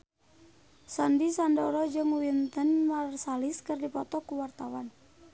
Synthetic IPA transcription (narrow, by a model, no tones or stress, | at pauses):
sandisandɔɾɔd͡ʒɨŋwint̪ənmarsalɪskɨrdipɔt̪ɔkuwart̪awan